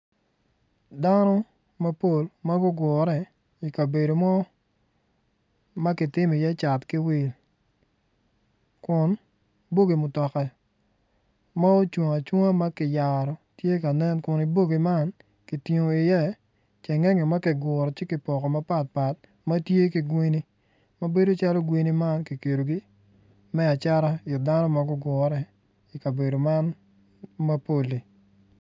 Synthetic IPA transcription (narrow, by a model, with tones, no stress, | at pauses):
da˦nɔ˦ | ma˦po˨lma˦ɡʊ˦ɡʊ˨ɾɛ˨ | i˨ka˨be˨do˨mɔ˦ | ma˦kɪ˨tɪ˦mi˨jɛ˦t͡ʃa˨tkɪ˦wɪ˨l | kʊ˨n | bo˦ɡi˨mʊ˨tɔ˨kɛ˨ | ma˦o˦t͡ʃwo˨ŋa˨t͡ʃo˦ŋa˦ma˦kɪ˨ja˨ɾɔ˨tje˦ka˨nɛ˦nkʊ˨ni˨bo˦ɡi˨ma˦n | ki˨ti˨ŋo˨ɪ˨jɛ˦ | t͡ʃɛ˨ŋɛ˦ŋɛ˨ma˦kɪ˨ɡʊ˨ɾɔ˨t͡ʃɪ˦ki˨pɔ˨kɔ˨ma˦pa˦t̚pa˨t̚ | ma˦tje˦ki˨ɡwi˦ni˦ | ma˦be˦do˦t͡ʃa˦lo˦ɡwi˦ni˦ma˦nki˨ke˨ɾo˨ɡi˦ | mɛ˦a˨t͡ʃa˦ɾa˦jʊ˨da˦nɔ˦ma˦ɡʊ˦ɡʊ˨ɾɛ˦ | i˨ka˨be˨do˨ma˦n | ma˦po˦˨li˨